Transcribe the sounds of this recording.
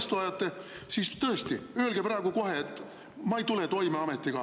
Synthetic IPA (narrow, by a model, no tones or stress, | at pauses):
st̪uɑjɑt̪ːe̞sist̪ɤest̪iø̞ːlɡ̥epɾɑːɡ̥uko̞ɦet̪ː | mɑejt̪ulet̪o̞jmeɑmet̪ːˑiɡ̥ɑ